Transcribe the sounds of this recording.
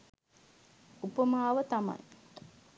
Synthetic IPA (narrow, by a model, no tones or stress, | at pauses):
upəmaːʋət̪ama̰j